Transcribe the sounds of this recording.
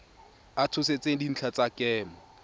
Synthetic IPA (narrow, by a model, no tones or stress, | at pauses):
atʰʊset͡sʼedin̩t͡ɬʰat͡sʼakɛːmɔ